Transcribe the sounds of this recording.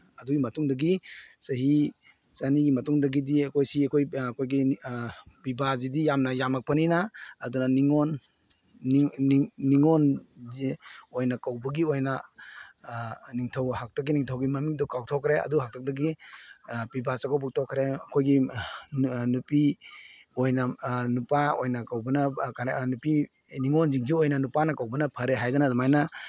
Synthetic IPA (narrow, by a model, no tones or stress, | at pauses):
ɐduɡimɐtuŋdɐɡisɐɦi | saniɡimɐtuŋdɐɡidikʰojsiakʰojkʰojɡi | pibazidijamnɐjamak̚pʰaninaːdunaniŋɔn | iŋɔnziojnakawbɐɡiojna | niŋtʰɐwhak̚tak̬ːiniŋtʰɐwɡimɐmiŋdɔkawtʰɔkʰɾeɐ̰duɦak̚tʰak̚dɐɡi | pibasakʰawbuk̚tʰɔkʰɾeɐkʰojɡi | nupi | ojnanupaojnakawbɐnɐkʰanupi | niŋɔnziŋziojnɐnupanɐkawbɐnɐpʰɐɾeɦajdɐnadɔmajnɐ